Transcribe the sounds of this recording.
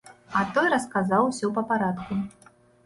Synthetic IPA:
ɐt̪ɔjɾɐskazawsʲɔpɐpaɾat̪ku

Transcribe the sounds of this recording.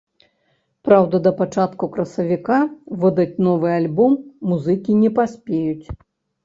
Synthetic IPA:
pɾawd̪ɐd̪ɐpat͡ʂat̪kukɾɐsɐvʲikavɨd̪ɐt͡sʲnɔvɨalʲbɔmːuzɨkʲinʲɛpasʲpʲejut͡sʲ

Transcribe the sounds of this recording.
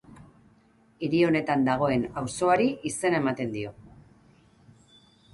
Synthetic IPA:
iɾio̞ne̞t̪and̪aɣ̞o̞e̞nawso̞aɾiʔise̞nae̞mat̪e̞nd̪io̞

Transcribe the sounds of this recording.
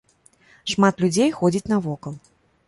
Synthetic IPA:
ʂmat̪lʲud͡zʲejxɔd͡zʲit͡sʲnɐvɔkɐlˠ

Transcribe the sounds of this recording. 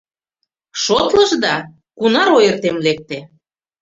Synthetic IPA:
ʃot̪lɤ̆ʒd̪ɑ | kunɑɾojərt̪emlek̚t̪e

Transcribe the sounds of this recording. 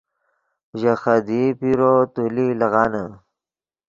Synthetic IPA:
ʒaxad̪ipiɾot̪ulilɐɣɑːna

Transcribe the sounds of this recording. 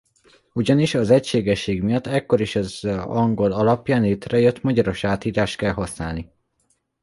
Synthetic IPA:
uɟɒniʃɒzɛcʃeːɡɛʃːeːɡmijɒt̪ːɛkːo̞ɾiʃɒzɒŋɡo̞lɒlɒpjaːnleːt̪rɛjøt̪ːmɒɟɒɾo̞ʃaːt̪iːɾaːʃt̪̚kɛlɦɒsnaːlni

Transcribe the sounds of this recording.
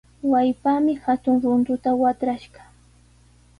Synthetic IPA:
wajpamɪhat̪ʊŋɾʊnt̪ʊt̪awat̪ɾaʃɢɑ̥

